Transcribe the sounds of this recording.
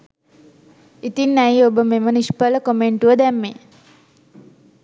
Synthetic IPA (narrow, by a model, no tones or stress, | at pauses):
it̪inːæjobəmeməniʃpələkomeɳʈuʋəd̪ɛmːe